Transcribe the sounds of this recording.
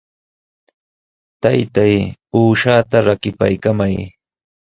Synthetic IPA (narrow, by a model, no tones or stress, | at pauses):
t̪ajt̪ajuːʃaːt̪aɾakɪpa̰jkamaj